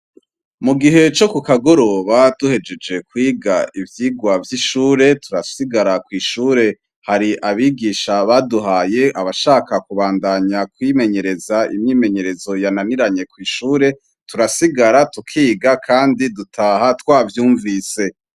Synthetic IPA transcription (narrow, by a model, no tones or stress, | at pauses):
muɡiɦe̞t͡ʃo̞kukaɡo̞ɾo̞ːβaduhe̞d͡ʒe̞d͡ʒe̞kwiːɡaivjiːɡwavjiʃuːɾe̞tuɾasiɡaɾakwiːʃuːɾe̞ | haɾiʔaβiɡiːʃaβaduɦaːje̞ʔaβaʃaːkakuβaːndaɲakwime̞ɲe̞ɾe̞zaḭmɲime̞ɲe̞ɾe̞zo̞jananiɾaɲe̞kwiːʃuːɾe̞ | tuɾasiɡaɾatukʰiːɡakʰaːndidutʰaːhatwaːvjuːɱvise̞